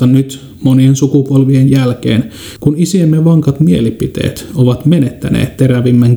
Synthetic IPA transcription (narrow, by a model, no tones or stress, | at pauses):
ɑnyt̪ | moniensukupolʋienjælkḛːn | kunisiemːeʋɑŋkɑt̪mielipit̪ḛːt̪oʋɑt̪menet̪ːæ̰nḛːt̪t̪e̞ɾæʋimːæŋk